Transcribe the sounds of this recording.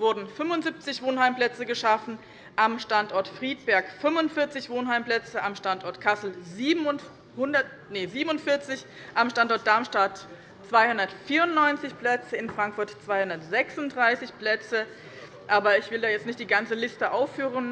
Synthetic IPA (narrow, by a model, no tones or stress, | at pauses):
vʊɐdn̩fʏmvʊnzip̚t͡sɪçv̥oːnhaɪmpl̥ɛt͡səɡəʃafn̩ | ʔamʃtantʔɔɐtfʁ̥iːt̚b̥ɛɐkfʏmvʊntfɪɐt͡sɪçv̥oːnɦaɪmplɛt͡səʔamʃtantʔɔɐtkʰasl̩ziːbʊ | hʊndɐt | nəziːbmnʊntfɪɐt͡sɪç | ʔamʃtantɔɐt̚d̥aɐmʃtaɐt | t͡sv̥aɪhʊndɐtfiːɐʊnnɔʏnt͡sɪçplɛt͡səɪnfʁ̥aŋkfʊɐtt͡sv̥aɪhʊndɐtz̥ɛksʊntdʁaɪsɪçplɛt͡sə | ʔaːbɐɪçv̥ɪldaːjɛt͡stnɪçtd̥iːɡant͡səlɪstəʔaʊfːyːʁən